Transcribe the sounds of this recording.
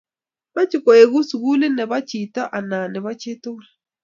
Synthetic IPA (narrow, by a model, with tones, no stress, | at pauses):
ba˦t͡ʃi˨kɔ˨e˨ɣu˦su˨ɣu˦lɪ˦nɛ˨βa˦t͡ʃi˨ta˦ʔa˨na˨nɛ˨βa˦t͡ʃe˦to˦